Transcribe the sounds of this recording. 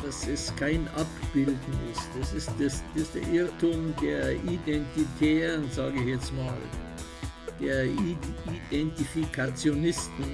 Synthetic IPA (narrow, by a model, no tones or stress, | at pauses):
d̥asɛskʰaɪnʔapb̥ɪldn̩ɪstɛsɪstd̥ɛsdɪstd̥ḛːɐʔɪtʊmdeːɐʔidɛntitʰɛːʁənzaːɡəɪçjɛt͡stmaːl | d̥eːɐiidɛntifikʰat͡sjonɪstn̩